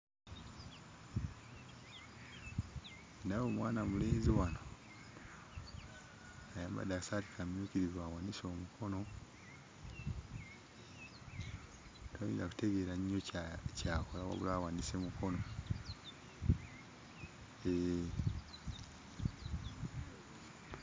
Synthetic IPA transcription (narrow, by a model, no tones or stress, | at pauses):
nawomwaːnamuleːnziwano | ajamba̰dasati̥kʰamjuːciɾizwawaniso̞ːmukʰo̞no̞ | twajḭːndaku̥teɡeːɾaɲːocakolawa̰βulawanisemuko̞no | e